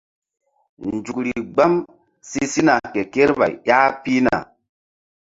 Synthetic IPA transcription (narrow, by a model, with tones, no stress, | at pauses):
nd͡ʒu˨k̚ɾi˨ɡ͡ba˦m | si˦si˦na˨ke˨ke˦ɾba̰˨jja˦pi˦na̰˨